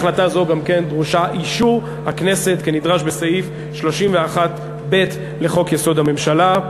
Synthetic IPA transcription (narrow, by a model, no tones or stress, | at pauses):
χlatazo̞ɡamke̞nd̪ʁuʃaʔiʃu | hakne̞se̞t̪kenidʁaʃbesaif | ʃlo̞ʃimveaχat̪ | be̞t̪ | le̞χo̞kjeso̞dhame̞mʃala